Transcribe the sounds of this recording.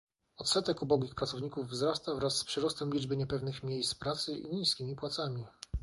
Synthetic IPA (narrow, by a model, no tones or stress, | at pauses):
ɔt̪sɛt̪ɛkubɔɡʲixpɾat̪sɔvɲikuvːzɾast̪avɾasːpʂɘɾɔst̪ɛmlʲid͡ʐbɘɲɛpɛvnɘxmʲjejst̪pɾat̪sɘḭɲiskʲimʲipwat̪samʲi